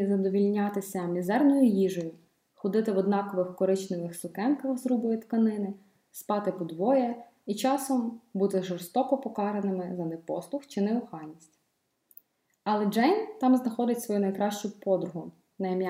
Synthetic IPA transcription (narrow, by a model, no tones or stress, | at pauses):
zɐd̪ɔʋʲilʲnʲɑt̪ɪsʲɐmʲizɛrnɔjʊjiʒɔjʊ | xɔd̪ɪt̪ɪʋɔd̪nɑkɔʋɪxkɔɾɪt͡ʃnɪʋɪxsʊkɛnkɐxzɾubʊjɪt̪kɐnɪnɪ | spɑt̪ɪpɔd̪ʋɔjɛ | it͡ʃɑsɔmbut̪ɪʒɔrst̪ɔkɔpɔkɑɾenɪmɪzɐnɛpɔslˠʊxt͡ʃɪnɛʊxɑlʲnʲisʲtʲ | ɐlˠɛd͡ʒɛjnt̪ɑmznɐxɔd̪ɪtʲsʋɔjunɐjkɾɑʃt͡ʃʊpɔd̪ɾʊɦʊ | nɐm